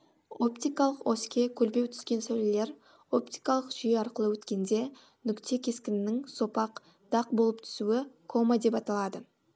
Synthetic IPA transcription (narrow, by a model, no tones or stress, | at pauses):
o̞pt̪ijkɑlˠəqoskʲe̞kʲʰɵlbe̞wt̪ʰʏ̥skʲe̞nsæwlɪle̞ɾ | o̞pt̪ijkɑlˠəqʒ̥ʏjeɑɾqəlˠəwɵt̪kʲe̞nd̪e̞ | nʏkt̪ʰe̞kʲʰe̞skʲɪnɪnɪŋso̞pɑq | d̪̥ɑq̚bo̞lˠəpt̪ʰʏ̥suwɪkʰo̞mad̪e̞pɑt̪ɑlˠɑd̪ə